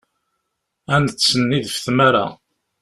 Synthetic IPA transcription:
ænsənːiðfθmæɾa̰

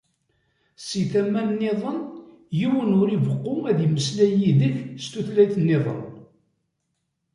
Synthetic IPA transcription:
siθæmːænːeðˤən | jiwənʊɾivəqːʊæðjməslæjiðəçst̪uθlæjθnːɪðˤə̰n

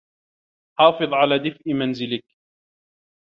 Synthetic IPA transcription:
ħɑːfɨðˤʕalaːd̪ɪfʔɪmanzɪlɪk

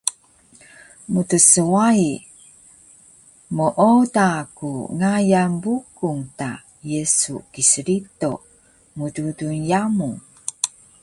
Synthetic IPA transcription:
mutəsəwai | məʔotakuŋajambukuŋta | jəsṵkisəɾito | mududunjamu

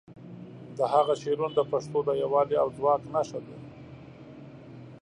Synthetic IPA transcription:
d̪əhaɣaʃeɾund̪əpaʂt̪od̪əjawɑliawd͡zwɑknaʃad̪e

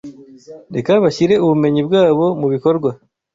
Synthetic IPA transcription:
ɾe̞kaβaɕiɾe̞uβume̞ɲibwaːβo̞muβiko̞ɾɡwa

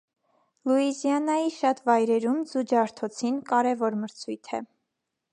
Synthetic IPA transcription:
luizjɑnɑjiʃɑt̪vɑjɾɛɾumzud͡ʒɑɾt̪ʰɔt͡sʰinkɑɾɛvɔɾməɾt͡sʰujt̪ʰɛ̰

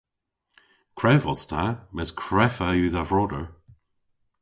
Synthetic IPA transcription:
kʰɹɛvɔst̪ʰamɛskʰɹɛfajʉːðavɹɔdəɹ

